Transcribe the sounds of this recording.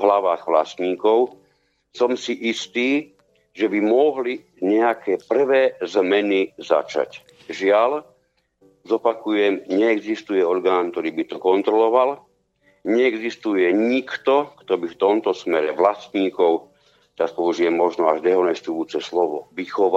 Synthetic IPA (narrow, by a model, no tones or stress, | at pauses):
ɦlaʋaːɣʋlast̪ɲiːkɔʊ | sɔmsiʔist̪iː | ʒɛbimɔɦli | ɲɛakʰɛːpr̩ʋɛːzmɛniza̰t͡ʃa̰c | ʒɪal | zɔpakujɛmɲɛːɡzist̪ujɛɔɾɡaːnt̪ɔɾiːbit̪ɔkɔnt̪ɾɔlɔʋal | ɲɛɛɡzist̪ujɛɲikt̪ɔkt̪ɔbift̪ɔmt̪ɔsmɛɾɛʋlast̪ɲiːkɔʊ | t̪apɔuʒiɛmːɔʒnɔaʒd̪ɛɔnɛst̪ujuːt͡sɛslɔʋɔ̰ʋixɔʋ